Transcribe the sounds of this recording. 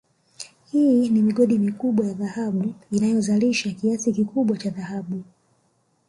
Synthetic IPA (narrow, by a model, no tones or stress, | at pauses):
hiːnimiɠɔɗimikuɓwajaðahaɓuinajɔzaliʃakiasikikuɓwat͡ʃaðahaɓu